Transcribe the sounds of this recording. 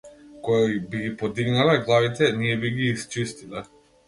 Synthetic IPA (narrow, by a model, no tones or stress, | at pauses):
kɔjaibiɡipɔd̪iɡnalɛɡlˠavit̪ɛnijɛbiɡiːst͡ʃist̪ilɛ